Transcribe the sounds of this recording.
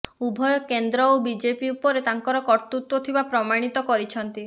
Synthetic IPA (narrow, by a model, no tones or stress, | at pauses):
ubʱɔjɔkend̪ɾɔobid͡ʒepiupɔɾet̪aŋkɔɾɔkɔɾt̪ut̪wɔt̪ʰibapɾɔmaɽ̃it̪ɔkɔɾit͡ʃʰɔnt̪i